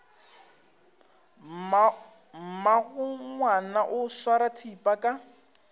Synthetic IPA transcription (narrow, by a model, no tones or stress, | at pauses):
m̩maɣʊŋwanaʔʊswaɾatʰipʼakʼa